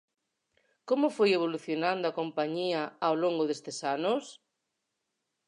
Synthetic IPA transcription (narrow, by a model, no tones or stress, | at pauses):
komʊfojeβ̞oluθjonãnd̪ʊakompaɲiaawloŋɡʊðest̪esanos